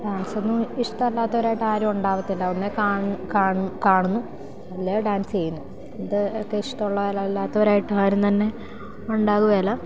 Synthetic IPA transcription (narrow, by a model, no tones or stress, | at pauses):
ɖaːnso̞nːuiʂʈɐɐlːaːt̪ːɐʋɐɾaːjiʈːɨaːɾumuɳɖaːʋɐt̪ːilːɐonːekaːkaːkaːɳunːu | ɐlːejɖaːnsɨt͡ɕe̞jːunːu | iðɨokːeiʂʈɐoɭːɐɐlɐelːaːt̪ːɐʋɐɾaːjiʈːɨaːɾumt̪ɐnːe̞ | uɳɖaːɣuɣɐjɐlːɐ